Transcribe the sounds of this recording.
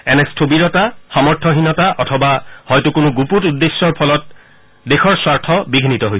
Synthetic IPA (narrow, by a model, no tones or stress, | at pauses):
ɛnɛstʰobiɹɔtaxamɔɹtʰɔɦinɔtaʔɔtʰɔbahɔjtukʊnʊɡuputudːesːɔɹpʰɔlɔt̚ | dexɔɹswaɹtʰɔbiɡʱinitɔɦojs